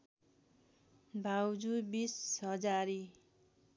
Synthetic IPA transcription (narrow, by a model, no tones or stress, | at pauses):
bʱawd͡zubisɦʌd͡zaɾi